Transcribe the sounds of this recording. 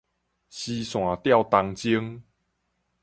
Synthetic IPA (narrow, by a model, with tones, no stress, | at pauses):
ɕi˧sw̃ã˨˩t̪ja˥˧wt̪a˧ŋt͡ɕi˦əŋ